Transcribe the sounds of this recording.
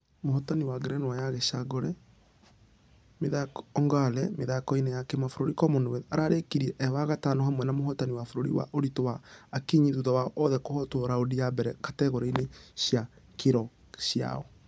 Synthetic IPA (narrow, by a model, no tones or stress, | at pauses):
mohɔtaniwaɡeɾɛnwajaɣeʃaɡɔɾɛ | meðakɔɔŋɡalɛmeðakɔinejakɛmafoɾoɾikɔmondoɛaɾaɾekiɾiɛʔɛwaɣatanɔɦamwɛnamoɦɔtaniwafoɾoɾḭwa̰ʔoɾitowaːkiɲiðuðɔwaʔɔðɛkohɔtoɾaodijabɛɾɛkatɛɣɔɾeineɕjakeɾɔ | ɕja̰ɔ